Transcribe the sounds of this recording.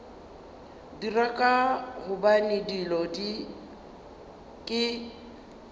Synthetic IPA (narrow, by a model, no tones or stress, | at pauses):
dirakʼaɣʊbanɪdilɔdi | kʼɪ